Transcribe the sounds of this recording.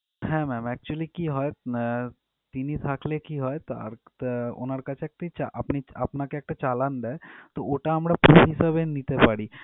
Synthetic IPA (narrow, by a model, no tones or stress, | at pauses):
ɦɛ̃mɛːmɛːk̚t͡ʃuəlikiɦɔːe | t̪iːnisʰaːkʰlekiɦɔːet̪ɾʊ̰nəɾkat͡ʃek̚t̪it͡ʃaʔɐpniɐ̰pnakeːk̚ʈ̪t͡ʃaːlənd̪at̪ooːʈaɦɐmɽapɾuːpisəbẽniːt̪epaːɽiː